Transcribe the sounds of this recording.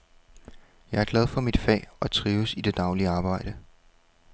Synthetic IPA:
jɑ̈ɪæɐɡ̥lɛð̞ˠfɒ̽mid̥fɛ̰ːɒt͡sʰʁiːʊsid̥e̝d̥ɑ̈ʊliəɑ̈ːb̥ɑ̈ɪ̰ɾ̥ə

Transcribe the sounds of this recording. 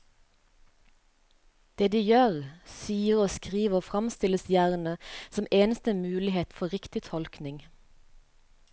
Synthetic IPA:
d̪̥eːd̪iːjøːʁsyːəʁoːskʁiːʋəoːfʁɑmst̪ɪləsjæːʁnəsɔmeːnəst̪əmʉːlɪheːt̪fɔʁɪkt̪ɪt̪ʰɔlknɪŋ

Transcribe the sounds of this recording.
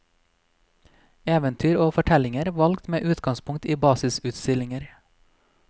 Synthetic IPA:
eːʋənt̪ʰyːɾoːfɔʈʰɛlɪŋəɾʋɑlɡt̪meːʔʉːt̪ɡɑŋspʰʊŋkt̪iːbɑːsɪsʉt̪st̪ɪlɪŋəɾ

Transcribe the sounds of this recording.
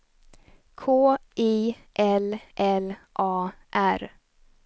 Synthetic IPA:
kʰoːʔiː | ʔɛlʔɛlʔɑːʔæɾ

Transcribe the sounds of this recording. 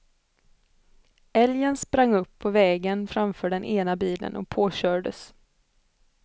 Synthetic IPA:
ɛljənspɾaŋːɵpːʰɔvɛːɡənfɾamfœːɖɛnʔeːnabiːlə̰nɔ̰k̚pʰoːɕœːɖə̰s

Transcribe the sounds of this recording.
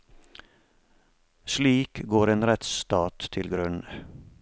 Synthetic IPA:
sliːkɡoːɾeːnɾɛt̪st̪ɑːt̪tʰɪlɡɾʉnə

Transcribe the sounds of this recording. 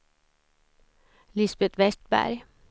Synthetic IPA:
lɪsb̥et̪ʋɛst̪̚b̥æ̰ɾ

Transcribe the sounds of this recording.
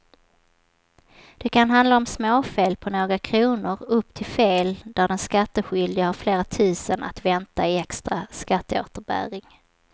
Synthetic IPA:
d̪̥ɛkʰanɦand̪laɔmsmoːfeːlpʰɔnoːɡɾakʰɾuːnʊɾɵpːt̪ʰɪlfeːld̪̥æɖɛnskat̪ːəɧʏld̪ɪhaɾfleːɾat̪ʰʉ̟ːsəna̰t̪vɛnt̪aɪɛkst̪ɾaskat̪ːəo̰ːt̪əɾbæ̰ːɾɪŋ

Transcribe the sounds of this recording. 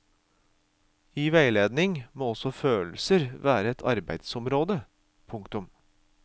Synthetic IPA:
iːʋæɪleːd̪nɪŋmoːɔsɔføːl̩səɾʋæːɾəɛt̪ʰɑɾbæ̰ɪd̪sɔmɾoːd̪ə | pʰʊŋkt̪ʉm

